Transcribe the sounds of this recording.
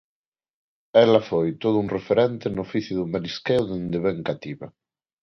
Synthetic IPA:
ɛlafojt̪oð̞ʊuŋrefeɾɛnt̪enofiθjʊðʊmeliskɛwðend̪eβɛŋkat̪iβa̰

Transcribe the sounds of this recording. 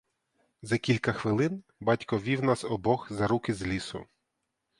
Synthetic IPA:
zɐkʲilʲkɐxʋɪlˠɪn | bɑtʲkɔʋʲiwnɑsɔbɔxzɐɾukɪzlʲisʊ̰

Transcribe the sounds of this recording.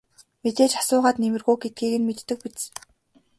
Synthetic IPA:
met̪eːt͡ɕḁsʊːʁaːt̪nemɘ̆rɣuːɡet̪̚ɡiːɣɘ̆nmet̪ːɘ̆k̚pit͡s

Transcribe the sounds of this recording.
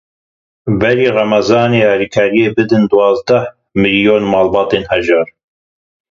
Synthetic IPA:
bɛɾiːrɑmɑzɑːneːhɑliːkʰɑːɾijeːbɨd̪ɨnd̪uwɑːzd̪ɐh | mɨljoːnmɑːlbɑːt̪eːnhɛʒɑːɾ

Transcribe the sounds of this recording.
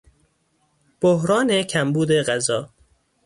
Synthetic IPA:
b̥ohɾɒːnecʰæmbuːd̪e̞ɣæzɒː

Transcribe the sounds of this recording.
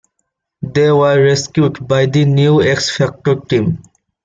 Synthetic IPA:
d̪eːʋəɾːeskjuːʈbaɪd̪injueksfɛk̚ʈoɾʈĩːm

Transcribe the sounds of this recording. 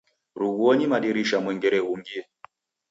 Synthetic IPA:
ɾuɣuɔɲimaɗiɾiʃamwɛŋɡɛɾɛɣuŋɡiɛ

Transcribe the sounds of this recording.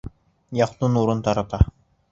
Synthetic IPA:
jɑqt̪unuɾunt̪ɑɾɑt̪ɑ

